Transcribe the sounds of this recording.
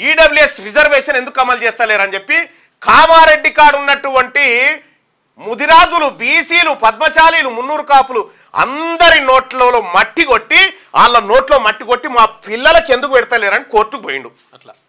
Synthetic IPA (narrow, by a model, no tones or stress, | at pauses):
iːɖɐbluesɾid͡ʒɐɾʋeːʃɐne̞nd̪ukːɐmːɐlt͡ʃɛːst̪ɐːleːɾɐnd͡ʒe̞pːi | kaːmaːɾe̞ɖːikaːɾɖunːɐʈːuʋɐɳʈi | mud̪iɾaːd͡ʒulubiːsiːlupɐd̪̚mɐʃaːliːlumunːuːɾukaːpulu | ɐ̰nd̪ɐɾinoːʈlɐːloːmɐʈːiko̞ʈːi | a̰ːlːɐno̞ːʈlo̞ːmɐʈːiɡo̞ʈːimaːpilːɐlɐke̞nd̪uk̬upeɽit̪ɐlːeːɾɐniko̞ːɾtːukuboːjḭɳɖu